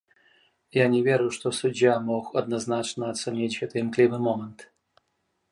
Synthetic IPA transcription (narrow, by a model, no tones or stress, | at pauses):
janʲɪvʲeɾʊʂt̪osʊdʲjamoxɐd̪nɐznat͡ʃnəɐt̪sənʲit͡ɕɛt̪ɨɪmklʲivɨmomənt̪